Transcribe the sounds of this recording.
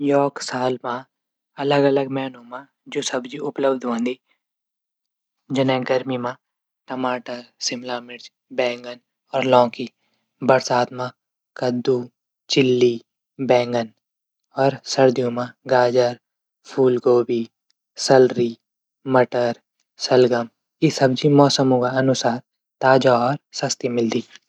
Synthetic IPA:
jɔːksaːlmã | ɐləɡɐləɡmɛːnõmã | d͡ʒoːsɐbd͡ʒiʊpləbd̪ʱɦõːnd̪iː | d͡ʒɪnɛ̃ɡɐɾmimã | ʈɐmaːʈəɾsɪmlaːmɪɾd͡ʒ | bɛ̃ːŋɡən | ɔːɾlɔ̃ːki | bɐɾsaːt̪mã | kɐd̪ːuː | t͡ʃɪlːi | bɛ̃ːŋɡən | ɔːɾsɐɾd̪ijũmãɡaːd͡ʒəɾ | pʰuːlɡoːbi | sɐlɾi | mɐʈəɾ | sɐlɡəm | isɐbd͡ʒimɔːsəmõkaɐnʊsaːɾ | t̪aːd͡ʒaɔːɾsɐst̪imɪld̪iː

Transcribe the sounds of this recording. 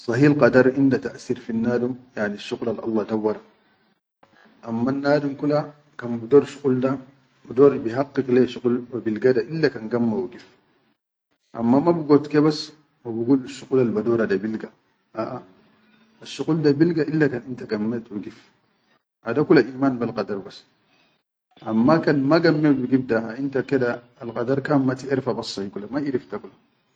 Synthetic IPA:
sˤɑɦiːlqɑdɑɾˤʔindat̪aʔsiːɾfinːaːdumjaʕniʃːuqlalʔɑ̰lːɑdawːɑɾa | ʔamːanːaːdumkula | kanbudoːɾʃu̥qʼulda | badoɾbiɦɑqːikleʃuqulwabilɡadaʔilːakanɡamːawuɡif | ʔa̰mːamabuɡotkebas | mabuɡulʃuqulalbadoɾadabilɡa | ʔaʔa | aʃuquldabilɡaʔilːakanintaɡamːet̪uɡif | ʔadakulaʔiːmanbalqɑdɐɾbas | ʔamːakanmaɡamːeuɡifdaaintakedaː | lqɑdaɾkamːat̪ieɾfabɐsːɑhikulamaʔiɾifdakula

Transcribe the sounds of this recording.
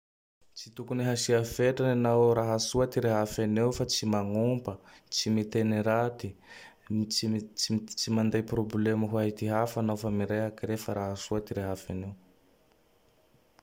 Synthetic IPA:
t͡sit̪ukuniɦasiafeʈ͡ʂananawɾaɦasuat̪iɾeɦafanewfat͡simaŋumbət͡simit̪eniɾat̪i | t͡simand̪ajprobleməɦuaɦit̪iɦafanawfamiɾajakirefaɾaɦasuat̪iɾeɦafanew

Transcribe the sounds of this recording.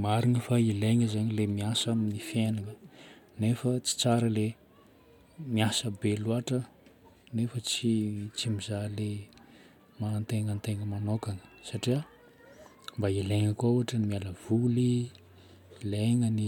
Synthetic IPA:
maɾiŋəfaileŋəzaɲilemiasamnifjenaŋənefət͡si̥t͡saɾəle | miasəbeluaʈ͡ʂə | nefət͡sit͡simizale | mant̪eŋənt̪eŋəmanokaŋə̥saʈ͡ʂia | mbaileŋəkwauaʈ͡ʂənimialəv̥uli | leŋəni

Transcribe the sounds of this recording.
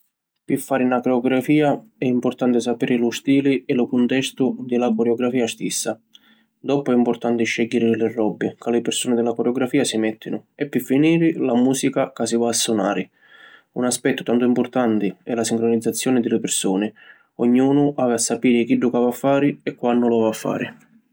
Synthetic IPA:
pɪfːaːɾɪnakɾeɔɡɾafiːaɛimpʊrt̪ant̪ɪs̬apɛːɾɪlʊst̪iːlɪɛlʊkʊnt̪ɛst̪ʊd̪ɪlakɔɾeɔɡɾafiːast̪isːa | d̪ɔpʊɛimpʊrt̪ant̪ɪʃːɛɟːiɾɪlɪrːɔbːɪkalɪpɪɾsuːnɪd̪ɪlakoɾeɔɡɾafiːasimɛt̪ʰːinʊɛpːɪfːiniːɾɪlamuːsikakasivaːsːʊna̰ːɾɪ | unaspɛt̪ːʊ̥t̪ant̪ʊimpʊrt̪ant̪ɪɛlasiŋkɾonid̪zːat̪sːjɔːnɪd̪ɪlɪpɪrsuːnɪ | oɲːuːnʊʔaːvɪasːapiːɾɪk̟iɖukaːvafːaːɾɪɛkːwanːʊlavafːa̰ːɾɪ̰

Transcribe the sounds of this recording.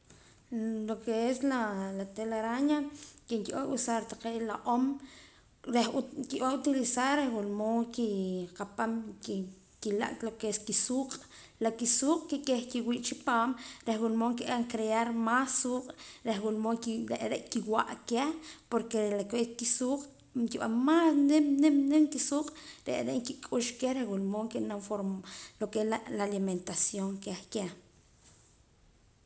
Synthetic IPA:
lokeeslalat̪elaɾaɲakeŋkiʔoʔusaɾt̪aqeːʔlaʔom | ɾehkiʔaut̪ilisaɾehwulmoŋkiqapamki | kila̰ʔʼt̪lokeeskisuːqʼ | lakisuːqʼkikʼexkiwiːʔt͡ʃipaːmɾehwulmoŋkiʔaŋkɾeaɾmasːuːqʼɾexwulmoŋkɾeʔɾeʔkiwa̰ʔkehpoɾkelakekisuːqʼ | ŋkiɓa̰nmasnemnemnemkisuːqʼɾḛʔɾeʔŋkikʼuʃkehɾehwulmoŋkeʔnamfoɾmlokellaliment̪asjoŋkehke

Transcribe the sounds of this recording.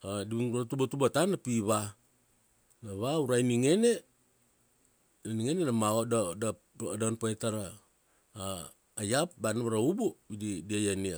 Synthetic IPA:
adiβɾatubatubatanapiβa | naβauɾajniŋe̞ne̞ | naniŋenenamaodada | danpaetaɾaː | jap̚banaβaɾaubobididiajania

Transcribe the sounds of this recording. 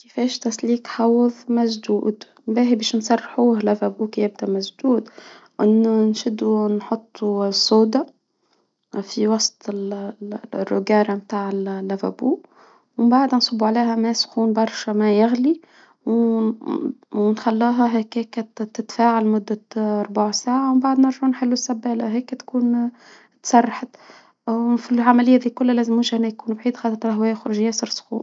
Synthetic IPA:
kɪfɛːʃt̪æsliːkħɑwːðˤmæʒd̪uːd̪ | mbæːibɛːʃnsˤɑrˤːħuːɦlævæbuːkjæb̚d̪æmæʒd̪uːd̪ | ʔɪnːʊnʃɪd̪unħot̪ˤːusˤːoːd̪ɑ | fiwɑsˤt̪ˤɪl | rːʊɡɑːɾˤamt̪aːʕɪllːævæbuː | wɪmbaʕd̪ænsˤɑbːuʕaleːhæmæsxuːnbɑɾˤʃæmæjɪɣli | w | wnxalːuːɦæɦæːkækæt̪ːɪt̪faːʕalmʊd̪ːaɑɾˤbaʕsaːʕawmbaʕd̪nɪɾʒʊʕnħɪlːusːæbːæːla̰ɦæːkːæt̪kuːn | t̪sɑrˤːɑħat̪ | filʕamælɪjːad̪iːkʊlːælæːzɪmwʊʒʔnːæjkuːnbʕiːd̪xɑːt̪ˤɾlɦwæːjæxʊɾʒɪjːæsɑɾsxṵːn

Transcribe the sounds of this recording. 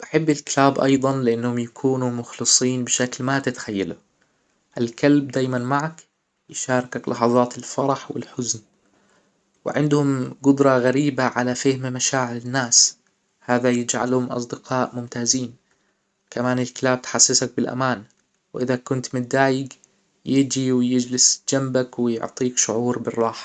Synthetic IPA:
b̥aħɪbːɪlkɪlaːbʔɑ̰jðˤɑnlɪʔanːhʊmjakʰuːnumʊxlɨsˤiːnbɪʃaklmat̪ɪt̪ḁxajːalʊ | ʔalkalb̚d̪aːjmanmaʕak | jɪʃɑːɾˤkaklɑħɑðˤɑːt̪ɪlfɑɾˤɑħwɪ̰lħʊzn | wɪʕɪnd̪hʊmɡʊd̪ɾˤɑɣaɾiːbaʕalafɪhmmaʃaːʕɪɾɪnːaːs | haːðajɪd͡ʒʕa̰lhʊmʔɑ̰sˤd̪ɪqɑːʔmʊmt̪aːziːn | kamaːnɪlkɪlaːb̚t̪ħasːɪsak̚bɪlʔa̰maːn | wʔɪðakʊnt̪mɪd̪aːjɪɡ | jɪd͡ʒiwɪjɪd͡ʒlɪsd͡ʒambakwɪjʊ̰ʕt̪ˤiːkʃʊʕuːɾbɪrˤːɑːħɑ̥

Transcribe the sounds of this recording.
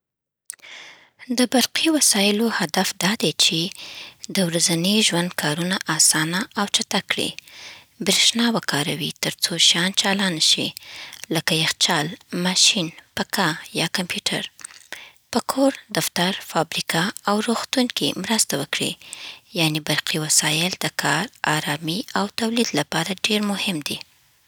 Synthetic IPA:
d̪əbaɾqiwasɑjɪlohad̪afd̪ɑd̪et͡ʃed̪əwɾazaniʒwand̪̚kʰɑɾunaʔɑsɑnaawt͡ʃat̪akɽḭ | bɾeʃnɑwakʰɑɾawit̪əɾt͡soʃɑnt͡ʃɑlɑnaʃḭləkajaxt͡ʃɑlmɑʃinpakajɑkampʰjuʈʰa̰ɾ | pəkʰoɾd̪aft̪aɾfɑbɾikaːwɾoxt̪uŋkimɾəst̪awəkɽḭjɑnibaɾqiwasɑjɪld̪əkʰɑɾɑɾɑmiawt̪awlid̪lapɑɾaɖeɾmʊhɪmd̪i

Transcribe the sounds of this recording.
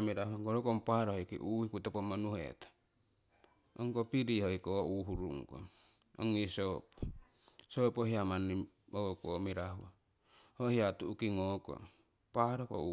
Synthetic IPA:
miɾahuaŋoɾokompahaɾohojkḭʔuhikutopomonuhḛt̪ḁ | oŋkopiɾihojkoʔuɦuɾuŋko̰ | o̰ŋisopo̥sopohiamani | okomiɾaɦua | hohiatuukiŋoko̰ | pahɾoko̰u

